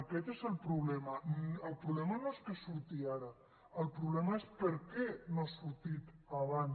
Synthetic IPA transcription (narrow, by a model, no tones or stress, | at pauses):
əkɛt̪ezəlˠpɾuβlɛmənəlˠpɾuβlɛmənoeskəsuɾt̪iaɾə | əlˠpɾuβlɛməespəɾkɛnoasuɾt̪it̪aβan